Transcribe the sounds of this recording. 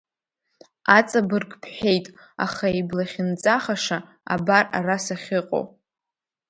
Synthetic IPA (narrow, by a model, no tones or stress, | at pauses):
at͡sʼabɨrkʰʼpʰħe̞jtʼ | a̰χaeblaχʲɪnt͡sʼaχaʂa | a̰bara̰rasaχʲɪqʼo̰w